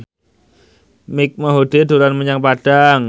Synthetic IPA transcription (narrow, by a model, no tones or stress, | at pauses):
mɪk̚maɦod̥eduɾanməɲaŋpad̥aŋ